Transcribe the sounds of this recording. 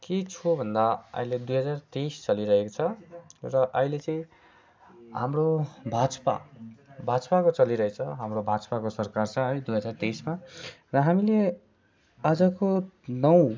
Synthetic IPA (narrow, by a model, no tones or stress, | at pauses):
ket͡sʰubʱʌnd̪aʌ̰iled̪ujɦʌd͡zart̪ejst͡sʌliɾʌɦekot͡sʰʌrʌʔʌjlet͡sʌĩ | ɦa̰mrobʱad͡zʌ̥pa̰bʱad͡zʌpakot͡sʌliɾʌet͡sʰʌɦamrobʱad͡zʌ̥pakosʌrkart͡sʰʌ̃ɦʌjd̪ujɦʌd͡zart̪ejsma | rʌɦamile | ad͡zʌkonʌw̃